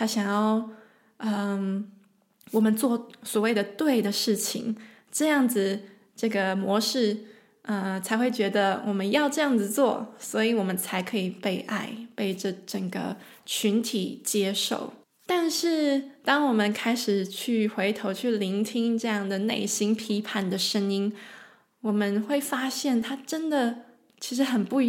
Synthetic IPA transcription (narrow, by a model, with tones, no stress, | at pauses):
t̪ʰa˥ɕjɑ˨˩ŋjɑ˥˩ʊ | ə˧ | wɔ˨˩mə˦nt͡swɔ˥˧swɔ˨˩we˥˩ɪd̪ə˩t̪we˥˩ɪd̪ə˩ʂɻ̩˥˩t͡ɕʰḭ˨˩ŋ | ʈ͡ʂɤ˥˧jɑ˥˩ŋd͡zɹ̩˩ | ʈ͡ʂɤ˥˩ɡə˩mwɔ˧˥ʂɻ̩˥˩ | ə˧t͡sʰa˧˥ɪxwe˥˩ɪt͡ɕɥɛ˧˥d̪ə˧wʔɔ˨˩mə˦njɑ˥˧ʊʈ͡ʂɤ˥˧jɑ˥˩ŋd͡zɹ̩˩t͡swɔ˥˩swɔ˧˥i˧˩wɔ˨˩mə˦nt͡sʰa˧˥ɪkʰɤ˧˥i˨˩pe˥˧i˧˩ʔa˥˧ɪpe˥˩ɪʈ͡ʂɤ˥˩ʈ͡ʂə˨˩ŋɡə̰˦ | t͡ɕʰy˧˥nt̪ʰi˨˩t͡ɕjɛ˥ʂo̰˥˩ʊ | t̪a˥˧nʂɻ̩˥˩t̪ɑ˥ŋwɔ˨˩mə˦nkʰa˥ɪʂɻ̩˨˩t͡ɕʰy˥˩xwe˧˥ɪt̪ʰo˧˥ʊt͡ɕʰy˥˩li˧˥ŋt̪ʰi˥ŋʈ͡ʂɤ˥˧jɑ˥˩ŋd̪ə˩nḛ˥˩ɪɕi˥ŋpʰi˧˥pʰa˥˩nd̪ə˨ʂə˥ŋi˥n | wɔ˨˩mə˦nxwe˥˩ɪfa˥ɕjɛ˥˩nt̪ʰa˥ʈ͡ʂə˥nd̪ə˨ | t͡ɕʰi˧˥ʂɻ̩˧˥xə˨˩npu˥˩